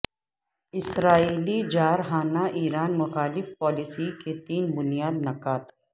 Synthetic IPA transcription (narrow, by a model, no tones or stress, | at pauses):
ɪsɾaːiːlid͡ʒaːɾɦaːnaʔiːɾaːnmʊxaːlɪfpɔːlɪsiket̪iːnbʊnijaːd̪nɐkaːt̪